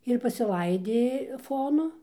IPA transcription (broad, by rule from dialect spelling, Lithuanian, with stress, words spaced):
ɪr pɐsʲɪˈlˠɐɪdʲeː ˈfoːnʊ